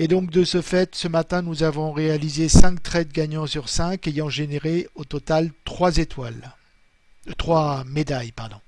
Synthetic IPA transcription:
ed̪ɔ̃k̚d̪əsəfɛt̪səmat̪ɛ̃nuzavɔ̃ʁealizesɛ̃k̚t̪χɛt̪ɡʲaɲɑ̃syʁsɛ̃kejɑ̃ʒeneʁeot̪ɔt̪alt̪χwazet̪wal | t̪χwamed̪ajpaʁd̪ɔ̃

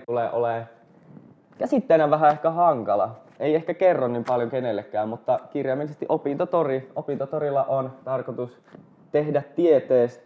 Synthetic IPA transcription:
t̪uleʔole | kæsit̪ːeːnæʋʋæɦæehkæhɑŋkɑlɑ̰ | eiehkækerːonnimpɑljoŋkenelːekːæːmmut̪ːɑkirjɑmːælisest̪iʔopint̪ot̪oriopint̪ot̪oɾilːɑʔont̪ɑrkot̪us | t̪ehdæt̪tiet̪eːs

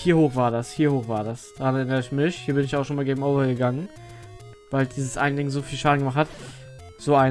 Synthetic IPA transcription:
hiːɐhoːxv̥aːɐdashiːɐhoːxv̥aːɐdasd̥aʁanɛɐʔɪnəʁɪçmɪçhiːɐbɪnɪçjaʊʃonmaːlɡeːɡm̩oʊvɐɡəɡaŋən | vaɪldiːzəsʔaɪn̩dɪŋzoːfiːlʃaːdn̩ɡəmaχthat | z̥oːʔaɪ

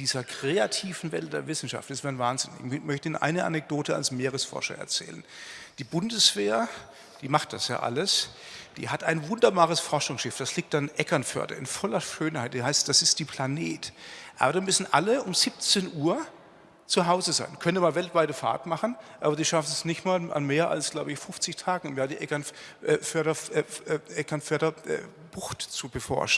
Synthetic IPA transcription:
d̥iːzɐkʁ̥eːatʰiːvn̩vɛ̰ltd̥eːɐvɪsn̩ʃa̰ftɪstv̥aːnvaːnzɪnɪ̰çmœçtəiːnʔa̰ɪnəʔa̰nɛk̚d̥oːtʰəa̰lsmeːʁ̞əsfɔ̰ɐʃɐ̰ɛ̰ɐt͡sɛ̰ːlənd̥iːbʊndəsv̥eːɐ | d̥iːmaχt̚d̥asja̰ːʔa̰ləs | d̥ḭːɦatʔaɪnvʊndɐbaːʁəsfɔɐʃʊŋsʃɪfd̥asliːk̚tanʔɛkɐnfœ̰ɐdɐ̰ɪ̰nfɔlɐʃøːnhaɪt̚d̥iːɦaɪstd̥asɪstd̥iːpʰl̥aneːtʔa̰ːbɐɾamʏsn̩ʔa̰ləʊmzip̚t͡seːnʔuːɐ | t͡suɦaʊzəza̰ɪnkʰœntəmaːlvɛltv̥aɪtəfa̰ɐtmaχn̩ʔaːbɐdiːʃafnəsnɪçtmaːlʔa̰nmeːɐʔa̰lsɡ̥laʊbəɪçfʊft͡sɪçtʰaːɡŋ̩ʊmjaːdiːʔɛkɐnʔfœɐɾɐ | ʔɛkɐnfœɐɾɐʔɛ̰ː | b̥ʊxtt͡subəfɔ̰ɐʃn̩

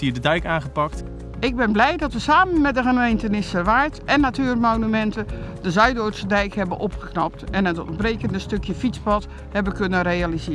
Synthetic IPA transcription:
iːədədɛjkãːnɣəpɑk̚t | ɪɡ̚bɪnblɛjdɔtʋəsaːmənmɛdəɣənmejntənɪsərʋaːtɛnːatyːrmoːnymɛntədəzœɥdoːtsədɛjkhɛbənʔopxəknɔp̚tɛnəto̰n̚breːkəndəstøkjəfit͡spɔt | hɛbəkønərealizɪː

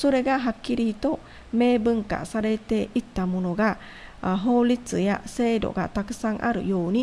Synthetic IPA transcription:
so̞ɾe̞ɡaɦakːiɾit̪o̞ | me̞ːbɯ̟̃ŋka̰saɾe̞t̪e̞ʔit̪ːamo̞no̞ɡa | ɦo̞ːlʲit͡sɨja̰se̞ːd̪o̞̰ɡa̰t̪akɯ̟̥sãŋʔa̰ɾɯ̟̰jo̞ːɲ̟i

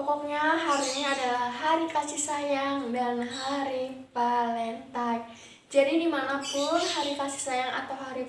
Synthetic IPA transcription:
ɔkɔk̚ɲaɦaɾiɲaːdalaɦaɾikat͡ʃisajaŋdanɦaɾipalɛnt̪ak̚ | d͡ʒadidimanapʊnhaɾikasi̥sajaŋa̰t̪awɦaɾi

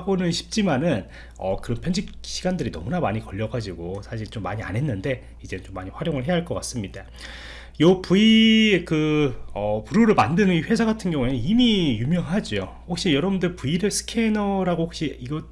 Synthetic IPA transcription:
bonɯnɕʰi̥p̚t͡ɕ͈imanɯn | ʌ̰kɯɾʌnpʰjʌɲd͡ʑikɕʰiɡandɯɾinʌ̰munamaɲikʌʎːʌɡad͡ʑiɡosʰaɕ̬ʰiɭt͡ɕomːa̰ɲia̰nɦe̞nːɯnde̞ | id͡ʑe̞nɯnt͡ɕomːaɲiɸwaɾjoŋɯɭɦeaɦaɭk͈ʌk͈as͈ɯmɲid̥a | jʌpuiekɯʌpuɾoɾɯɭmandɯnɯniɸwe̞sʰaɡatʰɯnɡjʌŋue̞nimijumjʌŋɦad͡ʑijo | ɸok̚ɕ͈ijʌɾʌbundɯɾpuiɾesʰɯ̥kʰe̞nʌɾaɡohok̚ɕ͈iiɡʌ

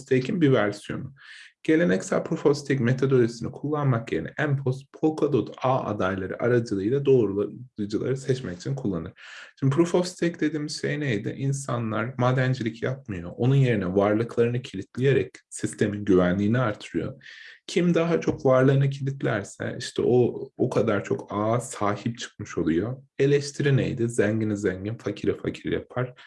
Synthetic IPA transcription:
t̪ʰecʰinbivæɾsijo̞̰muɟ̥e̞lʲe̞nɛcsæ̰lʲpʰɾofost̪ʰicme̞t̪ʰad̪olisinikʰulˠːanmakje̞ɾinɛ̰ʔæmpʰospʰolˠkʰad̪ot̪aːa̰d̪ajlˠaɾɯ̰ʔa̰ɾad͡ʒɯlˠɯjlˠad̪o̞ːɾud͡ʒɯlˠa̰ɾɯsɛt͡ʃmɛcit͡ʃʰinkʰulˠːanɯɾ̥ʃimb̪ipɾofofst̪ʰɛcd̪e̞d̪iːmiz̥ʃejnejd̪ɪ̰ʔinsanlˠaɾmaːd̪ænd͡ʒilʲicjap̚mɯjo̞ʔo̞nunje̞ɾinɛvaɾlˠɯklˠaɾɯnɯcʰilʲit̪ʰlʲije̞ɾɛcsist̪ʰe̞minɟyvænlʲiːniaɾt̪ʰɯɾɯjo̞̰cʰimd̪aɦat͡ʃʰo̞kvaɾlˠɯːɯnɯcʰilʲit̪lʲæɾsɛ̰ʔḭʃt̪ʰɛ̰ʔobukʰad̪aɾt͡ʃʰo̞̰kaːsaːhip̚t͡ʃʰɯ̥kmɯʃo̞lˠujo̞e̞lʲɛʃt̪ʰiɾinḛjd̪ɪzæɲɟinizæɲɟinfacʰiɾifa̰cʰiɾḭja̰pʰaɾ̥

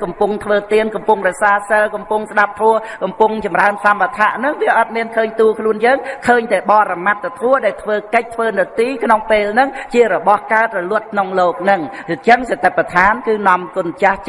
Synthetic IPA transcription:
kɑmpʊŋt̪ʰʋəːt̪iənkɑmpʊŋrɛsaːsəlkɑmpʊŋsɗap̚t̪ʰʋʊəhkɑmpʊŋt͡ɕɑmraənsamʋat̪ʰaʔnɨŋʋiəʔɑt̪̚miənkʰəːɲt̪uːkʰluənjəːŋkʰəːɲt̪aɛɓɑːɾamat̪̚ːt̪ʰuəɗaɛlt̪ʰʋəːkəc̚t̪ʰʋəːnɨwt̪iːkʰnoŋpeːlnɨŋt͡ɕiəɾɔɓɑhkaət̪̚rɔluət̪̚kʰnoŋloːk̚nɨŋt͡ɕəŋset̪apːat̪ʰaːnkɨːnɑmkʊənt͡ɕah

